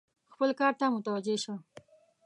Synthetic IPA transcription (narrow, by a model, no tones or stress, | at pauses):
xpəlkɑɾt̪amʊt̪awad͡ʒeʃa